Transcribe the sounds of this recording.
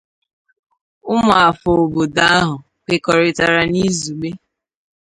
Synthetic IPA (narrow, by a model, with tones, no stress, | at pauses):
ʊ˦m˨a˨fo˨o˨bo˨da˦a˦ɦʊ˨ | k͡pe˨kɔ˨ɾɪ˨ta˨ɾa˨ni˦zu˨ɡ͡be˦